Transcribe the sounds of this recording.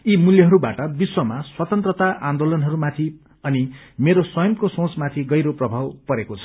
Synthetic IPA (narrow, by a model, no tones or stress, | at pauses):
imuljʌɦʌɾubaʈʌbiswʌmaswʌt̪ʌnt̪rʌt̪aʔãnd̪olʌnɦʌɾumat̪ʰi | ʌni | meɾoswʌjʌmkosõt͡smat̪ʰiɡʌjɾoprʌbʱawpʌɾekot͡sʰʌ̥